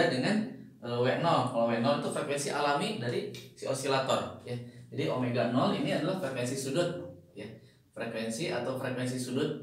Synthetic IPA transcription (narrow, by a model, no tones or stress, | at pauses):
adəŋan | əwɛʔ̚nɔlkalowɛʔ̚nɔlit̪ufɾekwensiʔalamidaɾisiosilat̪ɔrjad͡ʒadiʔomeɡanɔliniadalahfɾekwensisudʊt̪̚ja | fɾekwensiat̪awfɾekwensisudʊt̪̚